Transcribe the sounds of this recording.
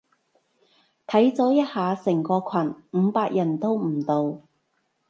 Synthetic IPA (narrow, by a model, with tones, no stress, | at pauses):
t̪ʰɐ˨˥jt͡sɔː˨˥jɐ˥t̚haː˨˧sɪ˨˩ŋkɔː˧kʷʰɐ˨˩nm̩˨˧˦paː˧k̚jɐ˨˩nt̪o˥wm̩˨˩t̪o˨˧w